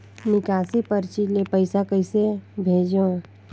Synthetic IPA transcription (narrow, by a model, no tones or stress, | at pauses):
nɪkaːsipəɾt͡ʃilepəɪsakəɪsebʱeːd͡ʒõ